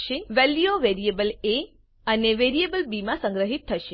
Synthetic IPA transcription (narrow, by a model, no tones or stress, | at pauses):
ʃeʋeljoʋeɾiebəle | əneʋeɾijebəlbimãsə̃ŋɡɾəɦit̪ʰːəʃe